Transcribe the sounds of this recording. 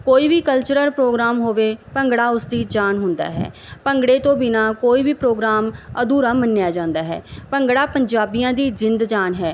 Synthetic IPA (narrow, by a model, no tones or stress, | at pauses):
koːiːʋiːkəlt͡ʃəɾəɾpɾoːɡɾaːmɦoːʋeːpəŋɡɽaːʊsd̪iːd͡ʒaːnɦʊnd̪a̰ːɦɛ̰ː | pəŋɡɽeːt̪õːbɪnaːkoːiːʋiːpɾoːɡɾaːməd̪uːɾaːmənːjaːd͡ʒãːnd̪aːɦɛ̰ːpəŋɡɽaːpəɲd͡ʒaːbijãːd̪iːd͡ʒɪnd̪d͡ʒaːnɦɛː